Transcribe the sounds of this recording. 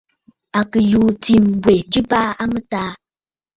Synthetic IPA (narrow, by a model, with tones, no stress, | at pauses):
a˨kə˨juː˨˦ti˨mbwe˨d͡ʒi˦pa˦a˦mə˦taː˦